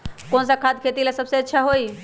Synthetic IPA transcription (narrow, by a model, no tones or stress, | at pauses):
konsãkʰad̪̚kʰet̪ilesəbseətːʃʰaɦoj